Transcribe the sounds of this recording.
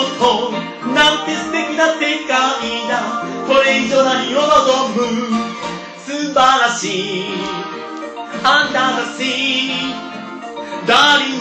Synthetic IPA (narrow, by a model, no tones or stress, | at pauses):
t̪o | nãnt̪esɨ̥t̪ekʲinat̪ːekaid̪akoɾeid͡ʑonaɲiɾonaɡobɯ | sɨbaɾaɕi | ãnd̪ãaɕi | d̪aɾi